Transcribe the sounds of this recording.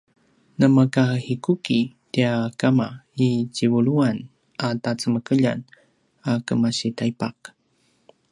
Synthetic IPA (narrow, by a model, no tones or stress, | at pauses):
nəmakahikuki | tiakamaicivuɭuan | atat͡səməkəʎa̰n | akəmaɕitajpak